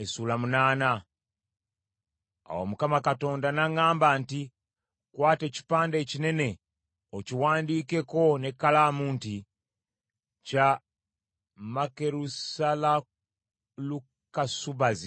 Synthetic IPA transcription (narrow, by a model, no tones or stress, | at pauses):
esulamunaːna | a̰wo̰mukamakato̞ːndanaŋaːmbanti | kwaːte̞ːci̥paːndeːcine̞ne̞ | ociwaːndiːke̞ko̞ne̞kːalamuːnti | ca | make̞ɾusala | lu | kasuβazi